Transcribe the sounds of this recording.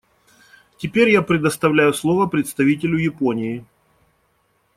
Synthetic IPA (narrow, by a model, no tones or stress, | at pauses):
tʲɪpʲeɾʲjapɾʲɪd̪əst̪ɐvlʲæjʊslˠovəpɾʲɪt̪st̪ɐvʲit̬ʲɪlʲʊjɪpo̞nʲɪɪ